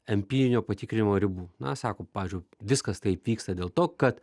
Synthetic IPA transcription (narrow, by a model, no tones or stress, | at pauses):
ɛmʲpʲiːɾʲɪnʲoːpɐt̪ʲɪkɾʲɪnʲɪmoːɾʲɪbuːnɐsɑːkoːpɑːʋʲɪːzʲd͡ʒʲʊʋʲɪskɐst̪ɐɪpʋʲiːkst̪ɐd̪ʲeːlˠt̪oːkɐt̪